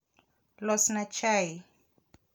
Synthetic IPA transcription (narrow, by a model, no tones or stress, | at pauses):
lɔsnat͡ʃʰaj